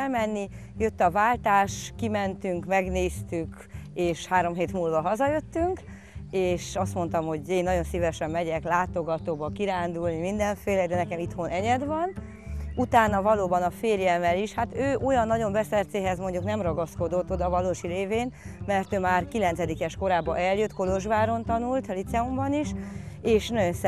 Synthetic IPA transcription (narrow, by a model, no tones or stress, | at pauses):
lmɛnːi | jø̞t̪ːɒvaːlt̪aːʃkimɛnt̪yŋkmɛɡneːst̪yk | eːʃhaːɾo̞mɦeːt̪muːlvɒɦɒzɒjø̞t̪ːyŋk | eːʃɒst̪mo̞nt̪ɒmho̞ɟeːnːɒɟo̞nsivɛʃɛmːɛɟɛklaːt̪o̞ɡɒt̪oːbɒkiɾaːnd̪ulnimind̪ɛɱfeːlɛɡd̪ɛnɛkɛmit̪ho̞nʔɛɲɛd̪vɒn | ut̪aːnːɒvɒloːbɒnɒfeːrjɛlmɛliʃhat̪øːʔo̞jɒnːɒɟo̞mbɛsɛrt̪seːɦɛzmo̞ɲɟuknɛmrɒɡɒsko̞d̪o̞t̪ːod̪ɒvɒloːʃileːveːnmɛrt̪øːmaːrkilɛnt̪sɛd̪ikɛʃko̞ɾaːbɒ̰ʔɛljøt̪ːko̞loʒbaːɾo̞nt̪ɒnult̪lit̪sɛumbɒniʃeːʃnɒɟo̞nsɛ